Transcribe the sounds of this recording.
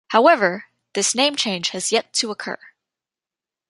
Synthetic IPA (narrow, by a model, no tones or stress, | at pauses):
haʊɛvə˞ | ðɪsnẽɪ̃mt͡ʃʰẽɪ̃nd͡ʒ̥ɨzjɛtʰəəkʰɜ̰˞